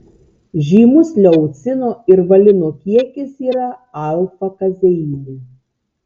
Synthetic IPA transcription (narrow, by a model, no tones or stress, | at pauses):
ʒʲiːmʊslʲɛʊt̪sʲɪnoːɪɾʋɐlʲɪnoːkʲiɛkʲɪsiːɾɐɐˑlˠfɐkɐzʲɛjiːlʲu